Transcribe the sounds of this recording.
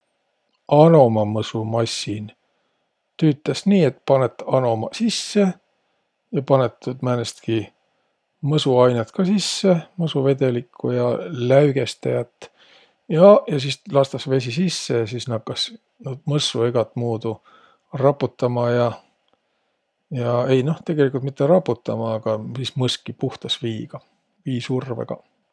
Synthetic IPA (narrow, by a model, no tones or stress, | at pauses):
ɑno̞mɑmɤsumɑsʲːin | t̪yːt̪ːˑɑsniːe̞t̪pɑnet̪ːˑɑno̞mɑ̰sisːe̞ | jɑpɑnet̪ːud̪mænest̪ki | mɤsuɑjnet̪kɑsisːe̞mɤsuve̞d̪e̞likʰːˑujɑlæyɡ̥e̞st̪ejɑt̪ːˑ | jɑjɑs̬islɑst̪ɑsve̞s̬ʲisisːe̞jɑsisnɑkːɑs | nuːd̪̚mɤsːueɡ̥ɑt̪ːˑmuːd̪u | rɑpːˑut̪ːɑmɑjɑ | jɑe̞jno̞ht̪e̞ɡ̥e̞likˑult̪mit̪ːeɾɑpːut̪ːɑmɑːɡ̥ɑsismɤskːipuht̪ɑsviːɡ̥ɑ | viːsurvḛɡ̥ɑ̰